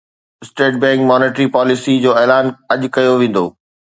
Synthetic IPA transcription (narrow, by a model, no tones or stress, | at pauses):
ɪsʈeːʈ̚bɛ̃ːŋkmɔːneːʈɾipaːlɪsid͡ʑoːeːlaːnɐʄʊkɐjoʋẽːn̆d̪oː